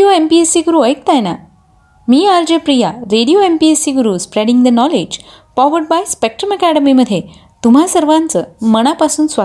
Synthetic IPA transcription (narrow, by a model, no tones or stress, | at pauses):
ioempiesiɡuɾuəjk̚t̪ajna̰ | miːaɾd͡ʑepɾijaɾeɽijoempiesiɡuɾuːspɾeɽĩŋɡd̪ənɔled͡ʑ | fɔʋəɾɖ̚bajspek̚ʈɾəməkæɽəmiməd̪ʱːje | t̪um̤asəɾʋãnt͡səməɽ̃apasuːnsʋa